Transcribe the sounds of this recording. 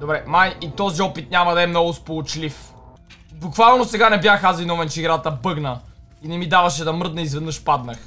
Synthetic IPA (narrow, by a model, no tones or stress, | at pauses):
d̪obɾɛmajit̪ɔziɔpit̪̚ɲʲamɐd̪ɐɛmnɔɡʊspolˠot͡ʃlif | bukvalˠnosɛɡanɛbjaxazvinɔvɛnt͡ʃiɡɾat̪ɐbɤɡnə | inɛmid̪avɐʃɛd̪ɐmɤɾd̪nəizvɛd̪nɤʃpad̪nəx